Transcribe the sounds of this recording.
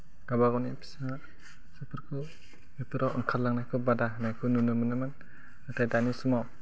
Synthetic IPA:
ɡ̥abaɡawnipʰi̥sa | sɯpʰɯɾkʰɯ | mipʰɯɾawʔɯŋkʰalːaŋnajkʰɯbadanajkʰɯnunɯmɯnɯman | atʰajdanisumaw

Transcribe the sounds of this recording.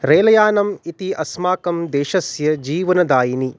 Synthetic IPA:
ɾeːlɐjaːnɐmit̪iʔɐsmaːkɐmd̪eːʃɐsjɐd͡ʒiːʋɐnɐd̪aːjini

